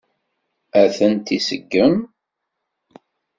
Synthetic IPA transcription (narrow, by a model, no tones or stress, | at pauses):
æθənt̪isəɡːəm